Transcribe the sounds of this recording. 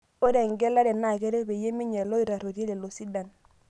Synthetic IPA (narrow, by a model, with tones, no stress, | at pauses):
o˦ɾe˨ŋɡɛ˦la˦ɾɛ˨na˦˨ke˦ɾe˦pe˨je˦mi˦ɲɛ˨lo˦i˨ɾa˨ɾo˨ɾe˦le˨lo˨si˦da˨n